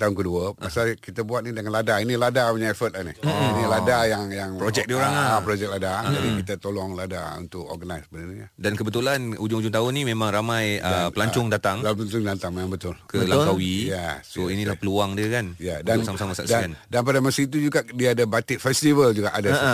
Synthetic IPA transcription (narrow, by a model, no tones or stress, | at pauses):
t̪aɦʊnkəduəpasalkit̪abuat̪̚nidəŋanladainiladamaɲaɛfət̪̚lahnḭh̩iniladajaŋjaŋpɾod͡ʒɛk̚dioɾaŋaapɾod͡ʒɛk̚ladaabikit̪at̪olɔŋlada̰ṵnt̪ʊkɔ̰ɡənajsbənanijadankəbət̪ulanud͡ʒʊŋud͡ʒʊŋt̪aʊnimemãŋɾamãjəpəlaɲt͡ʃʊŋdat̪aŋlapaɲt͡ʃʊŋdat̪aŋmemãŋbət̪ʊlkəəlaawijɛsoinilapəluaŋdiəkanjadansamasamasa̰ksdaandanp̬adamasəit̪̬ud͡ʒuɡaʔdiaːdabat̪ɪʔfɛst̪ivəld͡ʒuɡaʔada